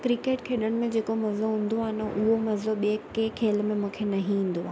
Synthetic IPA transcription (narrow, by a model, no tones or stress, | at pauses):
kɾikeːʈkʰeːɗəɽ̃ɪ̆mẽd͡ʑeːkomɐzoɦũːn̆d̪oaːɦɪnə̆ʔʊɦomɐzoɓiekekʰeːl̆mẽmũːkʰenɐɦĩɦĩːn̆d̪oaː